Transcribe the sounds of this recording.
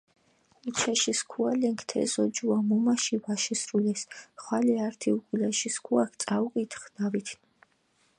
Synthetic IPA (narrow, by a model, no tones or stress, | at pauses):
ut͡ʃʰɛʃiskʰualɛŋkʰt̪ʰɛ̰zɔd͡ʒuamɔmaʃivaʃɛsɾulɛsχwalɛaɾt̪ʰiukʼulɛʃiskʰuakʰt̪sʼauqʼit̪ʰχd̪̥avit̪ʰ